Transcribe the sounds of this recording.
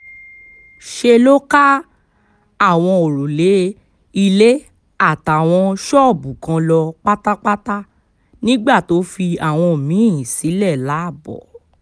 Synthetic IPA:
ʃe˧lo˦ka˦ | a˦˨w̃ɔ̃˧o˨ɾo˨le˨˦ | i˧le˦ | a˦˨ta˨w̃ɔ̃˧ʃɔ˦˨bũ˨kã˧lɔ˧k͡pa˦ta˦ta˦ta˦ | nĩ˦ɡ͡ba˦˨to˨˦fi˧a˦˨w̃ɔ̃˧˨mĩ˨˦˨jĩ˨si˨˦lɛ˦˨la˨˦a˦˨bɔ̰˨

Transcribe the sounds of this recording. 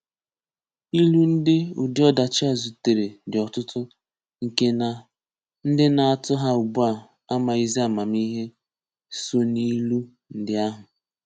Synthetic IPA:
i˦lu˦n̩˦dɪ˦ṵ˨dɪ˦ɔ˦da˨t͡ʃa˦˨zu˨te˨ɾe˨dɪ˨ɔ˨tʊ˦tʊ˦ | ŋ̩˨ke˦na˨ | n̩˦dɪ˦na˨a˨tʊ˦ɦa˦u˨bu˦a˨ | a˦ma˨i˦zi˦a˦˨ma˨mi˦ɦe˦ | so˨ni˦lu˦ | n̩˦dɪ˦a˦ɦʊ˨

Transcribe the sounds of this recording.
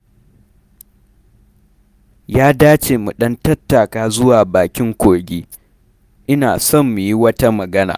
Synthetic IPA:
jaː˦daː˦t͡ʃeː˨mu˨ɗɐ˦ntɐ˦tːa˨kaː˦zʊ˦waː˨baː˨kʲɪ˦ŋkʷoː˨ɡʲiː˦ | ʔɪ˦naː˨sɔ˦˨mːu˨ji˦wɐ˦ta˦mɐ˨ɡɐ˦na̰ː˨

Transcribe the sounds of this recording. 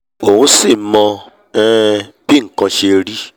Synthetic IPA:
o˨ũ˧˦si˦˨mɔ̃˧ | ɛ̃˦b̥i˦ŋ̩˨kɔ̃˧ʃe˧ɾi˦

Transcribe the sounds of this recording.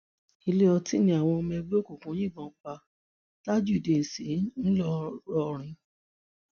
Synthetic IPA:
i˧le˦ɔ˧ti˦nĩ˧˦a˨w̃ɔ̃˧mɛ˧ɡ͡bo˦ko˨kũ˨˦j̃ĩ˦˨ɡ͡bɔ̃˧˨k͡pa˧ | ta˦d͡ʒu˦i˨de˨n̩˨si˨˦n̩˦lɔ˦ɾɔ˧ɾ̃ĩ˧

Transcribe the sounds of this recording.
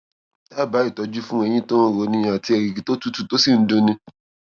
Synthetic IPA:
ta˦˨ba˨˦i˦˨tɔ˧d͡ʒu˦fũ˦ɛ˧j̃ĩ˦to˦n̩˦ɾo˨˧nĩ˧a˨ti˧ɛ˨ɾi˨ki˨˦to˦tu˦tu˨to˦si˦˨n̩˦dũ˧nĩ˧

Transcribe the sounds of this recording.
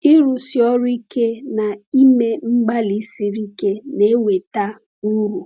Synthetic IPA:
i˦ɾu˨sjɔ˦ɾʊ˦i˦ke˦na˨i˦me˦ŋ͡m̩˦ɡ͡ba˦li˨˦si˨ɾi˦ke˦ne˨˦we˨ta˦ | u˦ɾu˨

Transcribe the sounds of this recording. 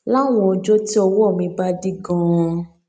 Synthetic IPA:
la˦˨w̃ɔ̃˧ɔ˧d͡ʒɔ˦ti˦ɔ˧wɔ˦ɔ˦˨mĩ˧ba˦di˦ɡã˦˧

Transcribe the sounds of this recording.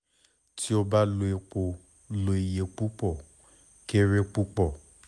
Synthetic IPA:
tʰi˦o˧ba˦lo˧e˧k͡po˨˧ | lo˧e˨je˧k͡pu˦k͡pɔ˦˨ | ke˦ɾe˦k͡pu˦k͡pɔ˦˨

